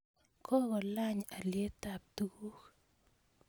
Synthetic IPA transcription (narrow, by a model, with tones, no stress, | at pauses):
kɔ˦kɔ˨la˦ɲa˨lje˦ta˨p̚tu˦ɡu˦k